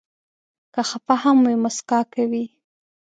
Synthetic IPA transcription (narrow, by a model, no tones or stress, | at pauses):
kaxapahamːujmʊskɑkawi